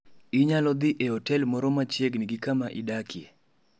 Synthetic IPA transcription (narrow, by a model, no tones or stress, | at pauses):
ɪɲalɔd̪ɪʔeɔtɛlmɔɾɔmat͡ʃeɡniɡɪkamaʔɪdakʰje